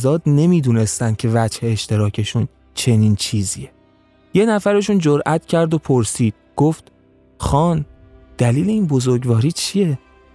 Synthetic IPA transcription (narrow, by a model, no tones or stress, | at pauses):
zɒːd̪ne̞miːd̪uːne̞st̪ænd̪̥̚cʰe̞væd͡ʒhe̞ːʃt̪e̞ɾɒːcʰe̞ʃun | t͡ʃʰe̞niːnt͡ʃʰiːzie | jenæfæɾe̞ʃund͡ʒoɾʔæt̪ʰcʰæɾd̪opʰoɾsiːd̪̥̚ɡ̥oft̪ | xɒːn | d̪̥æliːle̞iːnbo̞zoɾɡvɒːɾiːt͡ʃʰije̞